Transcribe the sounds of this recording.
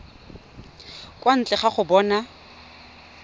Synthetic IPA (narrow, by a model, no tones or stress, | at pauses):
kʼwan̩t͡ɬʼɛχaχʊbɔːna